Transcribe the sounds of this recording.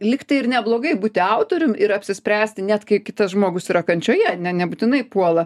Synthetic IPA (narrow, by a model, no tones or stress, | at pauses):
lʲɪktɐɪɪrnʲɛblˠoːɡɐɪbuːt̪ʲɪɐʊt̪oːɾʲʊmɪɾɐpʲsʲɪsʲpʲɾʲæːsʲt̪ʲɪnʲæt̪kɐɪkʲɪt̪ɐsʒmoːɡʊsiːɾɐkɐnʲt͡ʃʲoːjɛnʲɛnʲɛbuːt̪ʲɪnɐɪpuɔlˠɐ